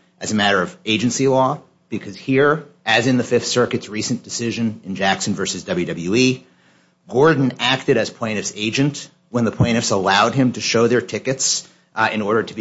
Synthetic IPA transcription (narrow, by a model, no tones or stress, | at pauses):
ʔɨzɨmæɾə˞ʌveɪd͡ʒɨ̃nsilɔ | b̥ɨkʰʌz̥hiɹɨzɨ̃nðɨfɪfθsɜ˞kɨtsɹisn̩d̥ɨsɪʒɨ̃nɨ̃nd͡ʒæksn̩vɜ˞sɨzdʌblˠjʉdʌbl̩ˠjʉi | ɡ̥ɔɹdⁿn̩æk̚tɨɾɨz̥pʰl̥ẽɪ̃ɾ̃ɨfseɪd͡ʒɨ̃nt | wə̃nðəpʰl̥ẽɪ̃ɾ̃ɨfsəlaʊd̚ɨ̃mtʰɨʃoʊðə˞tʰɪkɨts | ɨ̃nɔɹɾə˞ɾɨb